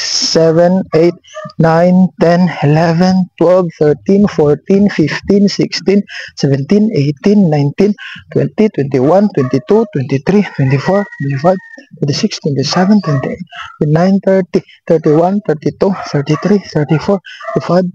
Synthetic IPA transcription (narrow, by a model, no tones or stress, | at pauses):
sɛvɛ̃nejt̪̚nãjnt̪ɛ̃nilɛvɛ̃nt̪wɛlvθəɹt̪ĩnfɔlt̪ĩnfift̪ĩnsikst̪ĩnsɛvɛ̃nt̪ĩnejt̪inːãjnt̪ĩnt̪wɛ̰̃nt̪it̪wɛ̃nt̪iwãnt̪wɛ̃nt̪it̪ut̪wɛ̃nt̪it̪ɾit̪wɛ̃nt̪ifɔɹt̪wɛ̃nt̪ifajvt̪wɛnt̪isikst̪wɛ̃nt̪isɛvɛ̃nt̪wɛ̃nt̪iet̪̚ɛnãjnt̪əɹt̪i | t̪əɹt̪iwãnt̪əɹt̪it̪uθəɹt̪it̪ɾiθəɹt̪ifɔɹt̪ifajv